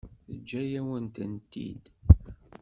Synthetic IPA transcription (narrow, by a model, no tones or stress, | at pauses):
θəd͡ʒːæjæwənt̪ənt̪ːḭd̪